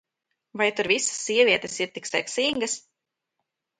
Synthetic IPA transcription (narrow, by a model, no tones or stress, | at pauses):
vajt̪uɾvisə̥sːiɛvʲiɛt̪esiɾt̪iksɛ̰ksiŋɡəs